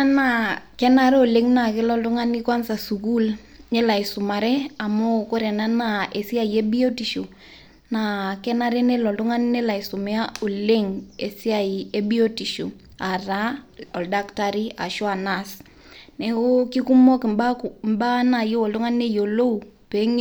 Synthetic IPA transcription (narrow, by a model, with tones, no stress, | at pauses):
a˦na˨kɛ˦na˨ɾɛ˦o˨le˦ŋna˨kɪ˦lɔ˦ltʊ˦ŋa˦ni˦kwa˦nsa˨su˨k̬u˦l | nɛ˦la˨ɪ˨sʊ˨ma˨ɾɛ˦a˨mo˦ko˦ɾɛ˨na˦na˦˨ʔe˨si˦a˨je˦bi˦o˦ti˨ʃo˨ | na˨kɛ˦na˦ɾɛ˦nɛ˦lɔ˨ltʊ˦ŋa˦nne˦la˨ɪ˨sʊ˨mɪ˦a˦o˨le˦ŋe˨si˦a˨ie˦bi˦o˦ti˨ʃo˨ | a˨ra˦ɔ˨lda˦kta˦ɾi˦a̰˨ʃo˦a˨nas | nɛ˨ko˦ki˦ku˦mɔ˦kɪ˨mba˦mba˦na˨je˦wɔ˨ltʊ˦ŋa˦nne˦jo˨lo˦u˨pe˨˦ŋ